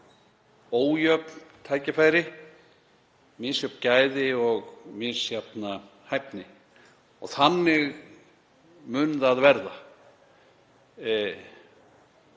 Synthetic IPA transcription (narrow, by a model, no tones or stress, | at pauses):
oːwjœpnt̪ʰaːjcɪfaːjɾɪ | mɪsjœpncaːjðɪɔɣmɪːsjap̚na | hajp̚nɪ | ɔɣθanːɪɣ | mʏnðaðvɛɾða